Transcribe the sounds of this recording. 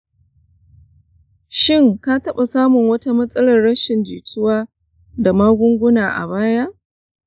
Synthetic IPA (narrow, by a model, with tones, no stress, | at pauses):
ʃɪ˦˨ŋka˦tɐ˦ɓa˨saː˦mʊ˨ŋwɐ˦ta˦mɐ˦sʼɐ˦lɐ˨rːɐ˦ʃɪ˨nd͡ʒiː˨tʰʊ˦waː˦ | da˨maː˦ɡʷʊ˦ŋɡʷʊ˦naː˨ʔa̰˨baː˦ja˦ʔ